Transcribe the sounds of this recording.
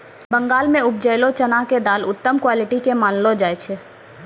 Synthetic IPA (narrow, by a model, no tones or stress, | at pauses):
bə̃ŋɡaːlmẽʊp̚d͡ʒəːlot͡ʃənaked̪aːlʊt̪ːəmkwaːlɪʈikemaːnlod͡ʒaːet͡ʃʰe